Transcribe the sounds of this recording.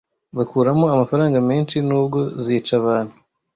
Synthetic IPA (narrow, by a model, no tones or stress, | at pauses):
βakuːɾamo̞amafaɾaːŋɡameːnʃinuːbɡo̞ziːt͡ʃaβaːn̥hu